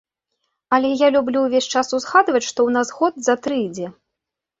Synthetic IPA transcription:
ɐlʲɛjalʲublʲuwvʲesʲt͡ʂasuzɣad̪vɐt͡sʲʂt̪ɔwnazɣɔd̪zat̪ɾɨjd͡zʲɛ

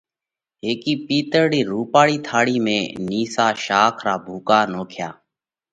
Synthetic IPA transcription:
ɦeːkiːpiːt̪əɾɽiːɾuːpaːɽiːt̪ʰaːɽiːmẽːniːsaːʃaːkʰɾaːbʱuːkaːnoːkʰjaː

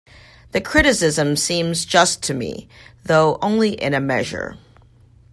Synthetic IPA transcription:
ðɨkʰɹ̥ɪɾɨsɪzɨ̃msĩmzd͡ʒʌstʰɨmḭðoʊʔõʊ̃nliʔɪ̰̃nɨmɛʒə̰˞

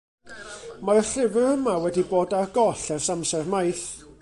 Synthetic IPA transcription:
marɬɪvɪrhəmawɛdiboːdarɡɔɬɛrsamsɛrmajθ

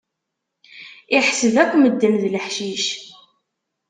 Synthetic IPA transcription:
iħsəðækʷːməd̪ːənðləħʃiʃ

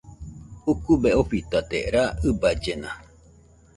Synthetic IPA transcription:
ukubeoɸit̪at̪ḛɾaɨbad͡ʒena

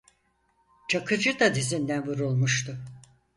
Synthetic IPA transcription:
t͡ʃʰakʰɯd͡ʒɯd̪ad̪izind̪ænvuɾulˠmuʃt̪ʰʊ

